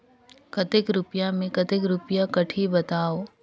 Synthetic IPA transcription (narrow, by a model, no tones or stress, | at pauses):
kət̪ɪkɾʊpjamẽkɐt̪ekɾʊpjakɐʈʰibɐt̪aːo